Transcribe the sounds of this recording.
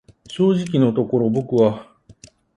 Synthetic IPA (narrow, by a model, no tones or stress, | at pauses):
ɕoːʑikʲino̞t̪o̞ko̞ɾo̞bo̞kɯ̟βa